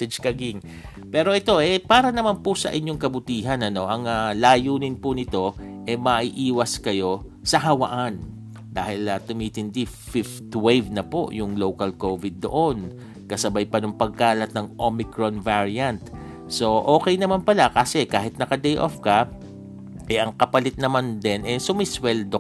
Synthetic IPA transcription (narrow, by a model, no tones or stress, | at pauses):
ɛd͡ʒkɐɡɪŋ | pɛːɾo̞ʔɛt̪o̞ʔɛpaːɾɐnɐmanpʊsɐ̰ʔɪnɲjo̞ŋkɐbʊt̪iːɦɐnɐno̞ʔɐŋalaːjuːnɪnpʊnɪt̪o̞ʔɛmɐʔiʔiːwɐskɐjo̞ | sɐɦɐwɐ̰ʔan | d̪a̰ːhɪlɐt̪ʊmiːt̪ɪnd̪ifɪft̪wevnɐpo̞̰ʔjʊŋlowkɐlkovɪd̪̚ːo̞̰ʔo̞n | kɐsɐbajpɐnʊŋpɐɡ̚kaːlɐt̪̚nɐŋʔomɪkɹonvaɹiɐnt̪ | so̞ʔo̞ːkɛjnɐmanpɐlakaːsɛkaːɦɪt̪̚nɐkɐd̪ɛjʔo̰fkɐ | ʔɛʔɐŋkɐpɐlɪt̪̚nɐmand̪ɛnʔɛsʊmɪswɛld̪o